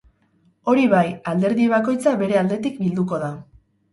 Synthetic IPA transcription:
o̞ɾiβajald̪e̞ɾðiβ̞ako̞jt͡saβe̞ɾe̞ald̪e̞t̪ikbild̪uko̞ða

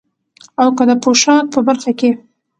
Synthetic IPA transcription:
awkəd̪əpoʃɑt̪̚pəbaɾxake

